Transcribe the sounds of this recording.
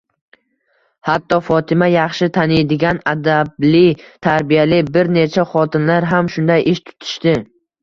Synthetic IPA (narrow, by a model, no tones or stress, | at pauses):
hat̪ːɒfɒt̪ʰɪmajɑχʃɪt̪ʰaned̪ɪɡʲanad̪ablɪt̪ʰaɾbijalɪbɪɾnet͡ʃʰaχɒt̪ʰɪnlaɾɦamʃʊnd̪ajʔɪʃt̪ʰʊ̥t̪ʰɪ̥ʃt̪ɪ